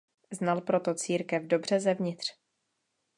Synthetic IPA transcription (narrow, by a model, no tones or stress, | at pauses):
znalpɾo̞t̪ot͡siːɾkɛvdo̞br̝ɛzɛvɲɪt̪r̝̥